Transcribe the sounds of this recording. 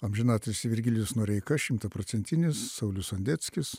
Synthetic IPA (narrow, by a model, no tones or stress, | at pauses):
ɐmʲʒʲɪnɑːt̪ʲɐɪsʲɪʋʲɪɾʲɡʲɪlʲjʊsnuɔɾʲɛɪkɐʃʲɪmt̪ɐpɾoːtsʲɛnʲt̪ʲɪnʲɪsːɐʊlʲʊsɐnʲd̪ʲɛt̪sʲkʲɪs